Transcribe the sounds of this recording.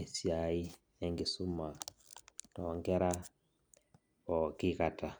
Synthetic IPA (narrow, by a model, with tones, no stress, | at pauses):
e˨sja˨i˦ | e˦ŋɡi˨su˦ma˨ | tɔː˨ŋɡɛ˦ɾa˦ | ɔ˨ki˦ka˨tʰa˨